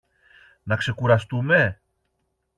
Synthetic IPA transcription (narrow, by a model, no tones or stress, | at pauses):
nɐkse̞kuɾɐst̪ume̞